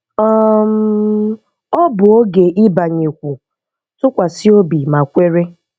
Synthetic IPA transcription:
ɔ˦m̩˦ | ɔ˦bʊ˨o˦ɡe˨ʔɪ˦ba˨ɲe˨kʷu˨ | tʊ˦kʷa˨si˦o˦bi˨ma˨kʷe˦ɾe˦

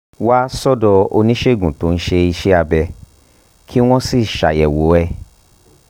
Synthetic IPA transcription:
wa˦sɔ˦dɔ˧o̰˧nĩ˦ʃe˦˨ɡũ˨to˨˦n̩˦ʃe˧i˧ʃe˦a˧bɛ˧ | kʰi˦w̃ɔ̃˦si˦˨ʃa̰˨jɛ˨wo˨˦ɛ˧˨

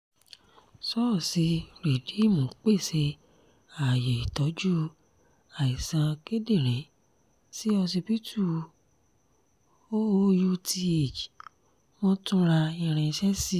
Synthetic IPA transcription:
sɔ˦˨si˨˧˦ɾe˨di˨˦˨mõ˨˦k͡pe˦˨se˧ | a˨je˨i˨tɔ˨˦d͡ʒu˦ | a˨i˨sã˧ke˦de˦˨ɾ̃ɛ̃˨˦ | si˦ɔ˧si˧pi˦tʰu˦˨˧ | o˦o˦ju˦tʰi˦˧e˨d͡ʒi˨ | w̃ɔ̃˦tũ˦ɾa˧ĩ˧ɾ̃ɛ̃˧ʃɛ˦si˦˨

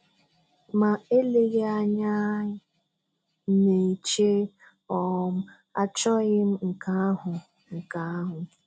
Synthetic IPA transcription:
ma˨e˦le˦ɣe˦a˦ɲa˦ | ne˨i˨t͡ʃe˦ | ɔ˨m̩˦ | a˦t͡ʃɔ˦ɣɪ˦m̩˦ŋ̩˨ka˦a˦ɦʊ˨ | ŋ̩˨ka˨a˦ɦʊ˨

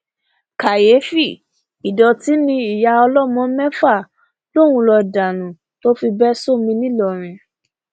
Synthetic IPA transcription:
ka˨je˨˦fi˦˨ | i˨dɔ˨ti˨˦nĩ˧i˨ja˧ɔ˧lɔ˦mɔ̃˨˧˦mɛ˦fa˦˨ | lo˦˨wũ˧lɔ˧da˨nũ˨ | to˦fi˧bɛ˦so˦mĩ˧nĩ˦lɔ˦˨ɾ̃ĩ˧

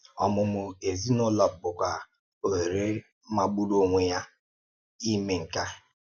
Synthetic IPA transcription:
ɔ˨mʊ˨mʊ˦e˨zi˦nʊ˦lɔ˨p̚bʊ˨kʷa˨ | o˨ɾe˦ | ma˨ɡ͡bu˦ɾo˦ŋʷe˨ja˦ | i˦me˨ŋ̩˨ka˦

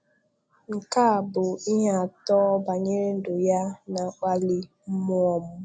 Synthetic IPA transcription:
ŋ̩˨ka˦a˨bʊ˨i˦ɦe˦a˨tɔ˦ba˨ɲe˦ɾe˦n̩˦dʊ˨ja˦na˨k͡pa˦li˦m̩˦mʊ˦ɔ˦mʊ˦

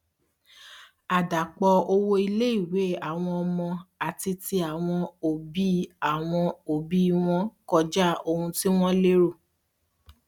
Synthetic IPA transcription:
a˨da˨k͡pɔ˧o˧wo˧i˧le˦i˦˨we˨˦a˨w̃ɔ̃˧ɔ˧mɔ̃˧a˨ti˧ti˧a˨w̃ɔ̃˧o˨bi˦a˨w̃ɔ̃˧o˨bi˦˧w̃ɔ̃˦kɔ˧d͡ʒa˦o˧ũ˧ti˦w̃ɔ̃˦le˦ɾo˦˨

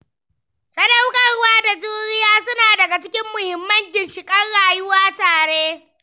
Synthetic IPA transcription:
sɐ˦dɐ˦wkʼɐ˨rwaː˦da˨d͡ʒuː˦ɾɪ˦jaː˦sʊ˦naː˨dɐ˨ɡa˨t͡ʃɪ˦kʲɪ˦mːʊ˨hɪ˨mːɐ˦ŋɡʲɪ˨nʃɪ˨kʼɐ˦nɽaː˨jʊ˦waː˦taː˨ɽeː˦

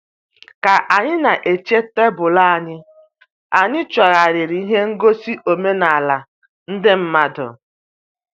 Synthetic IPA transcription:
ka˨ʔa˨ɲɪ˦na˨ʔe˨t͡ʃe˦te˦bʊ˨la˦a˨ɲɪ˦ | a˨ɲɪ˦t͡ʃɔ˨ɾa˨ɾɪ˨ɾi˨˦i˦ɦe˦ŋ̩˦ɡo˦si˦ʔo˨me˦na˨a˨la˨ | n̩˦dɪ˦m̩˦ma˦dʊ̰˨

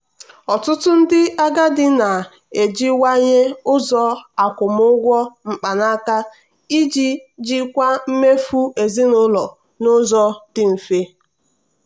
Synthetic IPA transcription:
ɔ˨tʊ˦tʊ˦n̩˦dɪ˦a˦ɡa˦dɪ˦na˨ | e˨d͡ʒi˦wa˦ɲe˦ʊ˦zɔ˦a˨kʷʊ˨mʊ˦ɡʷɔ˦ŋ͡m̩˨k͡pa˨na˦ka˦ | i˦d͡ʒi˦d͡ʒi˦kʷa˦m̩˦me˦fu˦e˨zi˦nʊ˦lɔ˨ | nʊ˦zɔ˦d̥ɪ˦m̩˨fe˦

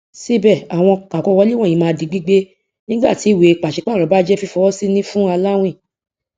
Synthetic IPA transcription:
si˦bɛ˦˨a˨w̃ɔ̃˧kã˨kɔ˧wɔ˧˦li˦wɔ̃˦˨ĩ˨˧mãː˧˦di˨ɡ͡bi˦ɡ͡be˦ | nĩ˦ɡ͡ba̰˦˨ti˨˦˨we˨˧˨k͡pa˨ʃi˨˧˦k͡pa˦˨ɾɔ˨˦ba˦d͡ʒɛ˦fi˧fɔ˧wɔ˦si˦nĩ˦fũ˦a˧la˦w̃ĩ˦˨

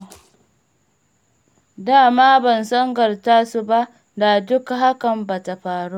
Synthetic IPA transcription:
daː˦˨maː˦bɐ˨nsɔ˦ŋɡɐ˨rtaː˦su˦ba˦ʔ | da˨dʊ˦kɦa˦kɐ˨mba˨ta˨ɸaː˨ɽu˦

